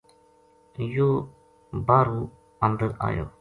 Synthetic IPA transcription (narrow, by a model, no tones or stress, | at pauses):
joː | baːɾuː | ənd̪əɾa̰ːjo̰ː